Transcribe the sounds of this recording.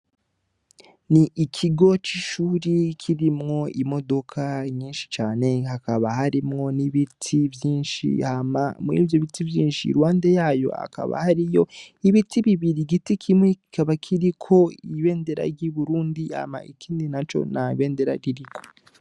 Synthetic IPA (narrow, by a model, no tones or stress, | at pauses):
niʔikʰiɡo̞t͡ʃiʃuːɾikʰiɾimŋo̞imo̞do̞kʰaɲiːnʃi̥t͡ʃaːne̞hakaβaɦaɾimŋo̞niβitʰivjiːnʃḭama̰muḭːvjoβitivjiːnʃḭɾwaːndejaːjo̞̰a̰kʰa̰βa̰haɾijo̞̰iβitiβiβiɾiɡitikʰimŋeki̥kaβakʰiɾikʰo̞iβe̞ːnde̞ɾa̰ɾɟiβuɾuːndia̰ma̰ikiːndinat͡ʃo̞̰naβe̞ːnde̞ɾaɾiɾikʰo̞̥